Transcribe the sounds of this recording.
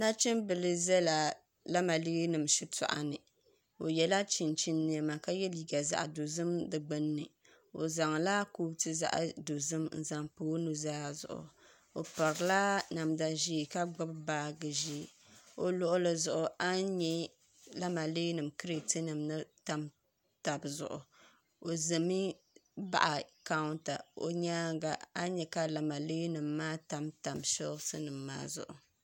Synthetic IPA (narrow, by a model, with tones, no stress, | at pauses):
na˦t͡ʃɛ˦mbɨ˨lɨ˦zɛ˦la˨ | la˦ma˨li˦ɡi˦nɨ˨mʃi˦ta̰˨ʔa̰˨nɨ˨ | o˨jɛ˨la˦t͡ʃi˨nt͡ʃi˦nːɨ˨a˨ma˨ka˦jɛ˦li˨ɡa˨za̰˨ʔdo˨zɨ˦mdɨ˨ɡ͡bɨ˦nːɨ˨ | o̰˨za˨ŋla˦ku˦tɨ˦za̰˦ʔdo˨zɨ˦mn̩˨za˨ŋpoː˦nu˨za˦a˨zʊ̰˨ʔʊ̰˨ | o̰˨pa˨ɾɨ˨la˦na˨mda˨ʒi˦˨ka˦ɡ͡ba˦bbaː˦ɡɨ˨ʒi˦˨o˨lʊ˦ʔʊ˦lɨ˨zʊ˨ʔʊ˨ʔa˦ɲɛ˦ | la˦ma˨le˦nɨ˨mkɨ˦ɾe˨ti˦nɨ˨mnɨ˦ta˨m | ta˨bzʊ̰˨ʔʊ̰˨ | o˨zɨ˨mi˦ | ba̰˦˨ʔa˨ka˦ʊ˦nta˨o̰˨ɲaː˦ɡa˨a˦ɲɛ˨ka˦la˨ma˨le˦nɨ˨mːaː˦ta˨mta˨mʃɛ˦sɨ˦nɨ˨mːa̰ː˦zʊ̰˨ʔʊ̰˨